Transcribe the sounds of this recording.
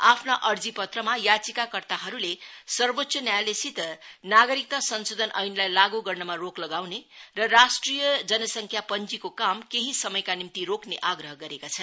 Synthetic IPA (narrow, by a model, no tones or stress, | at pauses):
apʰnaʔʌrd͡zipʌt̪rʌmajat͡sikakʌrt̪aɦʌɾulesʌrbot̪ːsʰʌnjajlesit̪naɡʌɾik̚t̪asʌnsod̪ʱʌnʔʌjnlajlaɡuɡʌrnʌmaroklʌɡawnerʌɾasʈrijʌd͡zʌnʌsʌŋkʰjapʌnt͡sikokamkeɦisʌmʌjkanimt̪iɾokneʔaɡɾʌɦʌɡʌɾekat͡sʰʌn